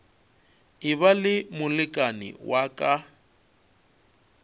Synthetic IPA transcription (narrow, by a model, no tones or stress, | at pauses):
ɪβalɪmʊlɪkʼanɪ̰wʔakʼa